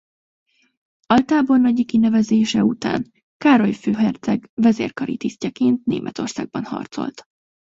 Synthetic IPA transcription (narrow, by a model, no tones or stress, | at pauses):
ɒlt̪aːbornɒɟikinɛvɛzeːʃɛut̪a̰ːn | kaːɾo̞jføːɦɛrt̪sɛɡvɛzeːrkɒɾḭt̪iscɒkeːnt̪nḛːmʔɛt̪o̞rsa̰ːɡ̚bɒnhɒ̰rt̪so̞̰lt̪